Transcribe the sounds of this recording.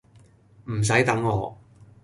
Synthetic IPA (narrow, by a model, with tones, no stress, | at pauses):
m̩˨˩s̬ɐ˨˥jt̪ɐ˨˥ŋːɔː˨˧